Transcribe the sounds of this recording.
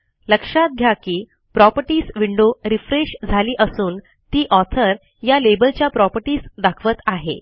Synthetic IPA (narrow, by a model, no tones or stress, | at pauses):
ləkʂat̪̚ɡʱjakiː | pɾɔpəɾʈiːsʋiɳɖoɾifɾeʂd͡zʱaliːʔəsuːn | t̪iːʔɔt̪ʰəɾ | jalebəlt͡ɕjapɾɔpəɾʈiːsd̪akʰʋət̪aɦḛ